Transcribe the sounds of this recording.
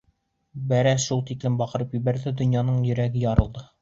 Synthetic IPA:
bæɾæʃulˠt̪iklɘmbɒqɤ̆ɾɤpjɵ̆bæɾd̪ɘd̪ɵ̆njɑnɤɴjɵ̆ɾæɡɘjɒɾɤ̆lˠd̪ɤ

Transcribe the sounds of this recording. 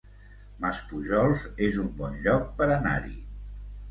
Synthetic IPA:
maspuʒɔlˠzezumbɔnʎɔk̚pəɾəna̰ɾḭ

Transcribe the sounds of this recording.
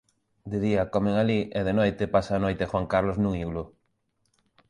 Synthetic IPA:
d̪eðiɐkɔmeŋaliʔeðenojt̪ɪpasaːnojt̪ɪxwaŋkaɾloznũŋiɣlʊ

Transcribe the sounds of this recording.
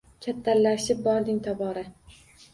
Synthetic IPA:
kʲʰat̪ʰːallaʃɪp̚bɒɾd̪ɪŋt̪ʰɒbɒɾa

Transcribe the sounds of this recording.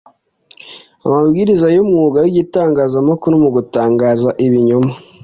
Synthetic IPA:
a̰mabɡiɾizajomŋuːɡajiɟitaːŋɡaːzamakuɾomuɡutaːŋɡaːzaʔiβiɲoma

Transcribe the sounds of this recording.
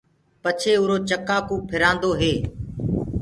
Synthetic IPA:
pət͡ʃʰeːʊːɾoːt͡ʃəkaːkũːpʰɪɾãːnd̪oːɦeː

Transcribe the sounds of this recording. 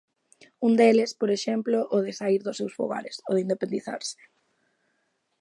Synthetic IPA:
und̪elɪspoɾeʃɛmploʔoðɪsaiɾðʊsewsfo̰ɣa̰ɾɪso̰ðeind̪epend̪iθa̰ɾsɪ̥

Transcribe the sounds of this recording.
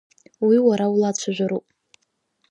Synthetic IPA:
wiwaɾaulat͡ɕʷʰaʒʷᶣaɾupʼ

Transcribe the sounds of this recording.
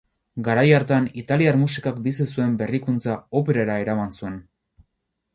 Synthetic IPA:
ɡaɾajaɾt̪eanit̪aliarmusikak̚bisisue̞mbe̞rikunt͡saope̞ɾaɾaeɾamansue̞n

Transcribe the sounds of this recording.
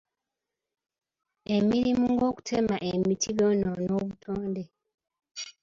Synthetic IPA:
emiɾimuŋɡo̞ːku̥tʰe̞maʔemitʰiɡononoːβutʰoːnde

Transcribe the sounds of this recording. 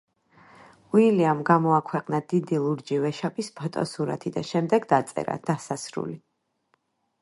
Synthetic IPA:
uiliamɡamɔakʰwɛqʼnad̪̥id̪ilˠuɾd͡ʒivɛʃapʰʼispʰɔt̪ʼɔ̰suɾa̰t̪ʰid̪a̰ʃɛmd̪ɛɡd̪at̪sʼɛ̰ɾa̰d̪̥asasɾṵli

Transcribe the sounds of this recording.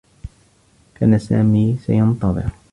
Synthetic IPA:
kaːnasa̰ːmiːsajɑnt̪ˤɑðˤɨ̰ɾ

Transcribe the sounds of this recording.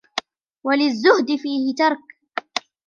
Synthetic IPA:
walɪzːʊhd̪ɪfiːhɪt̪ɑɾˤk

